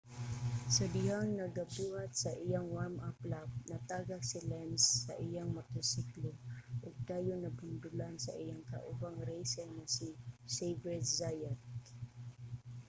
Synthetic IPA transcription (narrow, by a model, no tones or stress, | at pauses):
sɐd̪ɪhaŋnɐɡɐbuːhat̪̚sɐʔɪjaŋwaɹmʔaplap̚nɐt̪aːɡaksɪlɛnsːɐʔɪjaŋmɐt̪ɛsikloʔoɡ̚d̪aːjonɐbʊnd̪ʊlansɐ̰ʔijaŋkɐ̰ʔʊwaŋɾejsɛnɐsisejvɛzajat̪